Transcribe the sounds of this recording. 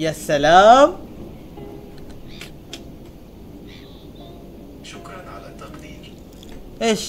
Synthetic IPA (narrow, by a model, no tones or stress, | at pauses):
jasːalaːm | ʃʊkɾˤɑnʕa̰lat̪ːɑqd̪iːɾ | ʔeʃ